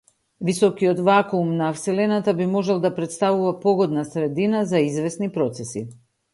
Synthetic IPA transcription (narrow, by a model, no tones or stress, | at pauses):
visɔkiɔt̪vakumnaːfsɛlɛnat̪abimɔʒɛlˠd̪apɾɛt̪st̪avuvapɔɡɔd̪nasɾɛd̪inazaizvɛsnipɾɔt̪sɛsḭ